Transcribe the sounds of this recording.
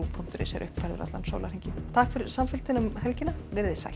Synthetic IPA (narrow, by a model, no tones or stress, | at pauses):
upʰʊm̥t̪ʏɾɪ̰sjɛ̰ɾʔʏhpfɛjɾðʏ̰ɾa̰t̪lanso̰wlaɾ̥eɲcɪt̪ʰakfɪɾɪɾ̥samfɪl̥t̪ɪnʏmhɛlcɪnːavɪɾðɪsa̰j